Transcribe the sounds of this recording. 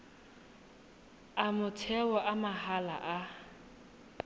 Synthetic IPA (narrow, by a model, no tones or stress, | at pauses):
amʊtʰɛwɔʔamahala̰ʔa